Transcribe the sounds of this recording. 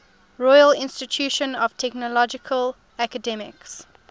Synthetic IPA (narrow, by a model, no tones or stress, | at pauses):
ɹɔjəlɪ̃nstɪtʰjuʃə̃nɔv̥tʰɛk̚nəlɔd͡ʒɪkʰəl | ækədɛmɪ̰ks